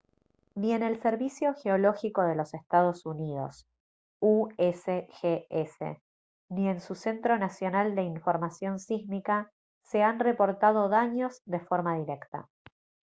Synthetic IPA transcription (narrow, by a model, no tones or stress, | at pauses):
nie̞ne̞lseɾβisjo̞xeolo̞xiko̞ðe̞lo̞sest̪að̞o̞suniðo̞̰s | uesexeesḛ | nie̞nsuse̞nt̪ɾo̞nasjo̞nald̪e̞iɱfo̞ɾmasjo̞nsiɣmika | se̞anre̞po̞ɾt̪að̞o̞ðaɲo̞zðe̞fo̞ɾmaðiɾe̞kt̪a̰